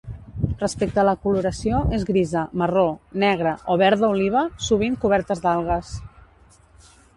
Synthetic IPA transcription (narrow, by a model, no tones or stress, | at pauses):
rəspek̚t̪ələkuluɾəsioʔezɣɾizəməronɛɣ̞ɾəʔoβɛɾðəuliβ̞əsuβ̞iŋkuβ̞ɛɾt̪əzd̪alˠɣ̞əs